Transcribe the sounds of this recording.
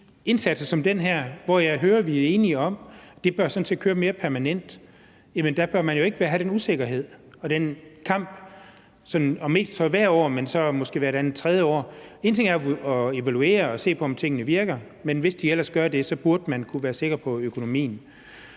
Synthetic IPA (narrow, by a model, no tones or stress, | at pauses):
e̝nsæd̥sɐsɒ̽md̥enɦæɐ̰ʋɒjɑ̈ɪɦøːɐʋiæɐe̝ːniɒ̽md̥e̝b̥ɶɐsɒ̽nse̝ːd̥kʰøːɐme̝ːɐpʰæɐmænen̰d̥ | jæmənd̥æb̥ɶɐmænjo̝e̝ɡ̥əʋæɐɦæɾ̥enuse̝ɡ̥ɐɦe̝ð̞̰ˠ | ɒ̽d̥enkʰɑ̈m̰b̥ | sɒ̽nɒ̽me̝̰ːsd̥sɒ̽ʋæɐ̰ɒ̰ːmensɒ̽mɔ̽sɡ̥e̝̰ːʋæɐe̥dæn̩ˠt͡sʰʁɛð̞ˠjəɒ̰ːe̝ːnt͡sʰe̝ŋæɐɒe̝ʋælue̝̰ːɐɒ̽se̝̰ːpʰɒ̽ɒ̽mt͡sʰe̝ŋ̰ənəʋiɐɡ̥ɐ | menʋe̝sd̥iel̰ɐsɡ̥ɶɐd̥e̝sɒ̽b̥uɐd̥əmænkʰuʋæːɐse̝ɡ̥ɐpʰɒ̽økʰo̝no̝mḭːn̩